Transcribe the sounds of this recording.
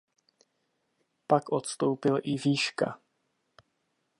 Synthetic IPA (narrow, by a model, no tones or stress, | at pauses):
pakʔot̪st̪o̞wpɪlʔɪviːʃka̰